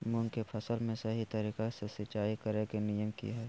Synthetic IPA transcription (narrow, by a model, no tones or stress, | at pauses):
mʊ̃nkepʰɐsəlmẽsɐɦit̪ɐɾiːkasɪsɪt͡ʃaːikɐɾekenijəmkḭɦɛː